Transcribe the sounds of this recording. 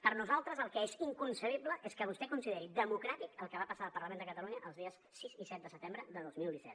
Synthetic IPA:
pəɾnuzalˠt̪ɾəzəlˠkɛeziŋkunsəβ̞ibləʔeskəβust̪ɛkunsiðɛɾid̪əmukɾat̪ikəlˠkəβapəsaəlˠpəɾləmend̪əkət̪əluɲəʔəlˠzðiəsːizisɛt̪̚d̪əsət̪embɾəðəðozmilˠd̪isɛ̰t

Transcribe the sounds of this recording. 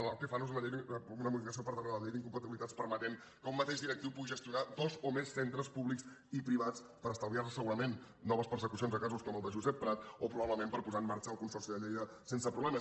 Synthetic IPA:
akəfanuzunəʎejðəunəmuðifiəs̬iopəɾðəɣaðʎejd̪iŋkumpət̪iβilit̪at͡spəɾmət̪eŋ | kəummət̪eʒd̪iɾək̚t̪iwpuɣiʒəst̪iunad̪ɔzomesːent̪ɾəspuβliks | ipɾiβat͡s | pəɾəst̪əwβiaɾəsəɣuɾəmenː | ɔβəspəɾsəkusionzəkazuskɔməlˠd̪əʒuzɛpːɾat̪̚opɾuβaβləmempəɾpuzamːaɾt͡ʃəːlˠkunsɔrsiðəʎejðə | sensəpɾuβlɛmə

